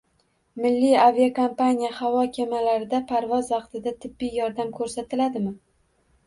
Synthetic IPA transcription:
mɪlːijaviakʰompanʲijahavɒkʲʰemalaɾɪd̪apʰaɾvɒzvɑqt̪ʰɪd̪at̪ʰɪbːɪjjɒɾd̪amkʰɵɾsat̪ʰɪlad̪ɪmɪ

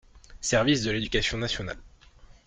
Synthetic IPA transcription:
sɛʁvisd̪əled̪ykʲasjɔ̃nasjɔna̰l

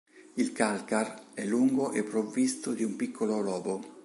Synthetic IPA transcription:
ilkalkarɛlːuŋɡoʔepːɾovːist̪od̪iumpikʰːololɔːbo

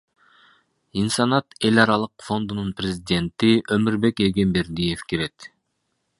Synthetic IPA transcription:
insɑnɑt̪e̞lʲɑɾɑlˠɯqfo̞nd̪ununprʲezʲidʲe̞nt̪iʔømyɾbe̞keɡe̞mbe̞ɾd̪ije̞fkeɾe̞t̪

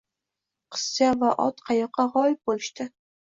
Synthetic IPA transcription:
qʰə̥sːavaʔɒ̰t̪qʰɑjɑqːɑʁɒjp̚bolʃt̪ɪ

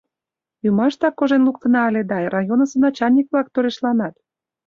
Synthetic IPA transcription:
ymɑʃt̪ɑkːoʒenluk̚t̪ə̆nɑːled̪ɑrɑjonə̆sənɑt͡ɕɑnʲik̚βlɑk̚t̪øɾeʃlɑnɑt̪

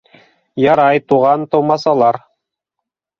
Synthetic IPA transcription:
jɑɾɑjt̪uʁɑnt̪ɤ̆wmɑsɑlˠɑɾ

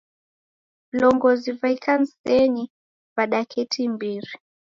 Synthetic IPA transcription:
vlɔŋɡɔzivaikʰan̩sɛɲi | vaɗakʰɛtʰimbiɾi

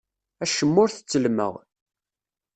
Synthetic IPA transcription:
æʃəmːʊɾθə̥t͡sːəlmə̰ʁ

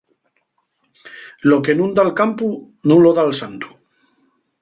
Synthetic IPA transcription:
lo̞ke̞nũnd̪alkampu | nũnloðalsant̪u̥

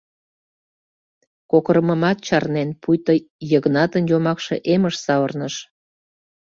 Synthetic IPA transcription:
kokəɾəməmɑt̪̚t͡ɕɑrnenpujt̪əjəɣnɑt̪ənjomɑkʃeʔeməʃsɑərnəʃ

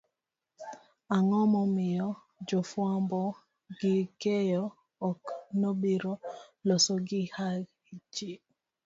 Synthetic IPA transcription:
aŋɔmɔmɪɔ | d͡ʒofwambɔ | ɡɪkejɔː | knobiɾolɔsɔɡɪha | it͡ʃi

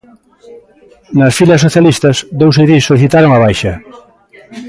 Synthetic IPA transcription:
nɐsfilɐs̬ːoθjalist̪ɐsd̪owseðisːoliθit̪aɾoŋɐβ̞ajʃɐ

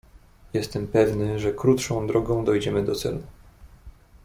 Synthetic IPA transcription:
jɛst̪ɛmpɛvnɘʐɛkɾut̪ʂɔ̃w̃d̪ɾɔɡɔ̃w̃d̪ɔjd͡ʑɛmɘd̪ɔt̪sɛ̰l

